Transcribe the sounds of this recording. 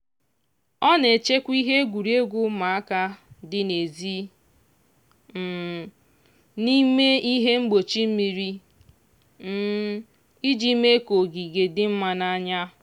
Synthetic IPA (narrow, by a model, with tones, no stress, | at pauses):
ɔ˦ne˨t͡ʃe˦kʷi˦ɦe˦ɡʷu˨ɾi˦e˦ɡʷʊ˦ma˨a˦ka˦dɪ˦ne˨zi˦ | m̩˨ | ni˦me˦i˦ɦe˦ŋ͡m̩˦ɡ͡bo˨t͡ʃi˦m̩˦mi˨ɾi˦ | m̩˦ | i˦d͡ʒi˦me˦ko˨ɡi˨ɡe˨dɪ˦m̩˦ma˨na˦ɲa˦